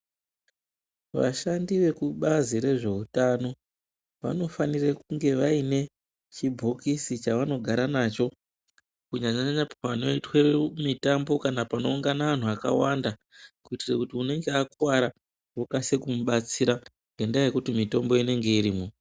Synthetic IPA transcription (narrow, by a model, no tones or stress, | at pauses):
ʋa̰ʃandiʋe̞kuɓaziɾe̞ʐe̞utano̞ | ʋa̰no̞fanirekuŋɡe̞ʋaine̞ | t͡ʃibʱokisit͡ʃaʋano̞ɡʱaɾanat͡ʃo̞ | kuɲaɲaɲaɲapaano̞itwemitambo̞kanapano̞uŋɡanaʋan̤uaka̰wanda | kuitirekutiune̞ŋɡe̞akwaɾa | wokasekumuɓat͡siɾa | ŋɡendajekutimito̞mbo̞ine̞ŋɡe̞iɾiːmo